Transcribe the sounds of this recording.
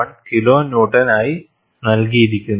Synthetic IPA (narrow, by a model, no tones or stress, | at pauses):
ɐɳkiloːnoːʈːɐnaːji | nɐlk̬ijiɾikʲːunː